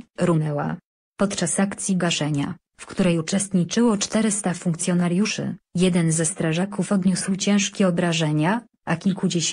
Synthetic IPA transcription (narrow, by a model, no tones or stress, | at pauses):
ɾunɛwa̰ | pɔt̪t͡ʂasakt̪sʲjiɡaʂɛɲa̰ | fkt̪uɾɛjut͡ʂɛst̪ɲit͡ʂɘwɔt͡ʂt̪ɛɾɘst̪afuŋkt̪sʲjɔnaɾjuʂɘ̰jɛd̪ɛnzɛst̪ɾaʐakufɔd̪ɲuswt͡ɕɛ̃w̃ʂkʲɛɔbɾaʐɛɲa | akʲilkud͡ʑeɕ